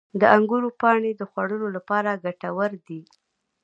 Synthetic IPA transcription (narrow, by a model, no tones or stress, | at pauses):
d̪əʔaŋɡuɾopɑɳed̪əxwaɽəlolapɑɾaɡaʈawəɾd̪i